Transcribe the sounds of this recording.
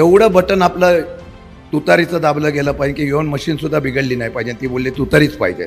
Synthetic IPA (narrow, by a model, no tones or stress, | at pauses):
eʋɽəbəʈənapla | t̪ut̪aɾit͡səd̪abləɡeləpaɦikijoənməɕiːnsud̪ʱːabiɡəɽliːnaɦjpaɦid͡ʑẽt̪iːbolːet̪ut̪aɾiːt͡spa̰ɦid͡ʑḛ